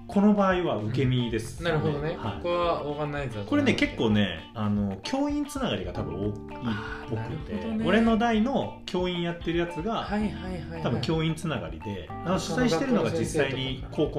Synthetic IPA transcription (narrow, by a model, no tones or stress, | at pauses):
kʰo̞no̞baːiβaɯ̟ke̞mʲid̪e̞sɨ̥naɾɯɦod̪onehaḭkaβakanːaiko̞ɾe̞neke̞kːo̞ːne̞̰ | ano̞kʲʰo̞ːĩnt͡sɨnaɡa̰ɾʲiɡat̪abɯ̟̃o̞ːk | ipːo̞kɯ̟t̪ːeo̞ɾe̞no̞d̪aino̞kʲʰo̞ːĩɰ̃jat̪ːe̞ɾɯ̟jat͡sɨɡa | t̪abɯ̟̃ŋkʲo̞ːĩnt͡sɨnaɡa̰ɾʲḭd̪e̞ | nanoɕi̥saiɕit̪e̞ɾɯ̟no̞ɡad͡ʑisːaiɲikʰo̞ːko